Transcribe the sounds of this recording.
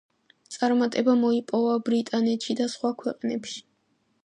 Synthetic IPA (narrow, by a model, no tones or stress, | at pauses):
t̪sʼaɾmat̪ʼɛbamɔipʼɔvabɾit̪ʼanɛt̪ʃid̪asχwakʰwɛqʼnɛpʃi̥